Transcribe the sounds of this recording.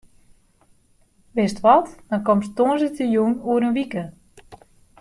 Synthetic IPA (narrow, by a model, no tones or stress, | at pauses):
ʋɪstʋɔtd̥ɔnkɔmstoːənsətəjunuəɾənʋikə